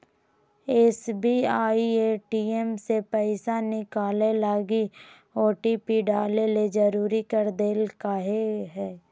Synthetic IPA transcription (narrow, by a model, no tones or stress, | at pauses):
eːsbiaːieːʈiemsepɛɪsanɪkaːlelaːɡi | oːʈipiɖaːleled͡ʒəɾuːɾikəɾd̪eːlkaːɦeɦɛː